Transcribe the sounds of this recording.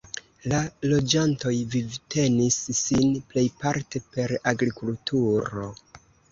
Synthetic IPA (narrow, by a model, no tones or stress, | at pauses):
lalo̞d͡ʒanto̞jvivtʰe̞nisːinple̞jpaɾte̞pe̞ɾaɡɾikultʰuɾo̞̰